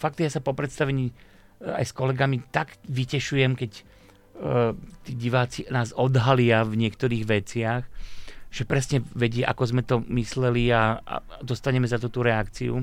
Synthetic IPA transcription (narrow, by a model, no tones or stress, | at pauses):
fak̚t̪jaːsapɔpɾɛt̪st̪aʋɛɲiː | a̰jskɔlɛɡamit̪aɡʋicɛʃujɛmkɛc | t̪iːɟiʋaːt͡sinaːzɔd̪ɦalɪavɲɪɛkt̪ɔɾiːɣʋɛt͡sɪaxʒ̥ɛpɾɛsɲɛʋɛɟɪɛʔa̰kɔzmɛt̪ɔmislɛlia̰d̪ɔst̪aɲɛmɛzat̪uːt̪uɾɛakt͡siṵ